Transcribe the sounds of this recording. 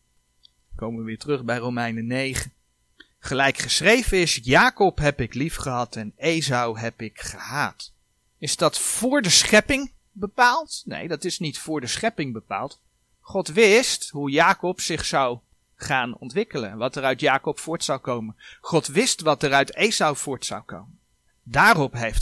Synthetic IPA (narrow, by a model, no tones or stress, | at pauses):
kowməʋəʋɪːɹtrɵχbɛjrowmɛjnənejχə | χəlɛjkχəsrejvəɪsjaːkɔpɦɛpɪklifχəɦɑtɛnejzɑwɦɛpɪkχəɦaːt | ɪzdɑtfʊːɹdəsχɛpɪŋ | bəpaːlˠtnḛjdɑtɪsnitfʊːɹdəsχɛpɪŋbəpa̰ːlˠt | χɔtʋɪstɦujaːkɔpsɪχsɑw | χaːnɔ̰ntʋɪkələ̰nʋɑtərœɥtjaːkɔpfʊːɹtsɑwkowmənχɔtʋɪstʋɑtərœɥtejzɑwv̥ʊːɹtsɑ̰wko̰wmən | daːrɔpɦejft